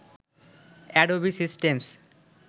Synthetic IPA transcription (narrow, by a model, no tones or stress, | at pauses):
ɛɖobisisʈems